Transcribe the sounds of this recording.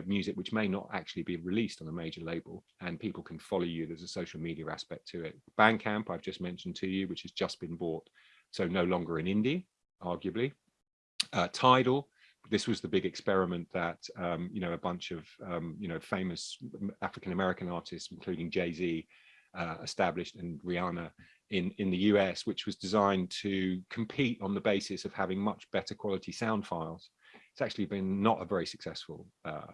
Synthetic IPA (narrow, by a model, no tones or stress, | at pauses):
mjʉːzɪk̚wɪt͡ʃmeɪnə̰ta̰k̚t͡ʃʉəlˠibiɹɪliˑstn̩əmeɪd͡ʒəleɪbəlˠ | ə̃npiˑpəl̩ˠkʰə̃nfɒləʊjɨðəzəsəʊʃl̩ˠmiːɾiəɹa̰spɛk̚tʰəɪt̚b̥æ̃nkʰæ̃mpaɪvd͡ʒʌsmɛ̃nʃə̃n̩tʰɨjɨwɪt͡ʃɨzd͡ʒʌsb̥ɨ̃nbɔˑt | səʊnəʊlɒ̃ŋɡəɹɪ̃nɪ̃ndiə | ɑːɡjəbli | ʌtʰaɪɾl̩ˠ | ðɪswɒzðəbɪɡɨkspɛɹɪmə̃nðətʌ̃mjɨnəʊəbʌ̃nt͡ʃəv̥ʌ̃mjɨnəʊfẽɪ̃məsafɹɪkə̃nəmɛɹɪkə̃nɑˑtʰɪstsɪ̃n̩kʰl̥ʉːɾɪ̃ŋd͡ʒeɪziː | ʌɪstablɪʃtɪ̃nɹiɑːnə | ɪ̃nɪ̃nðəjʉːɛswɪt͡ʃwɒzdɪzãɪ̃ntʰəkʰə̃mpʰiˑtn̩ðəbeɪsɪsəv̥havɪ̃ŋmʌt͡ʃb̥ɛtəkʰw̥ɒlɪtʰisãʊ̃nd̥faɪlˠz̥ | ɪtsak̚t͡ʃʉl̩ibɪ̃nːə̰tə̰vɛɹisəksɛsfəlˠʌ̰